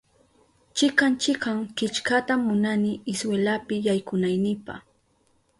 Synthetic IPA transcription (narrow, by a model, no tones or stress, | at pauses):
t͡ʃɪkant͡ʃɪkaŋkɪt͡ʃkat̪amːʊnanɪɪswelapɪjajkʊnajnɪpɑ̰χ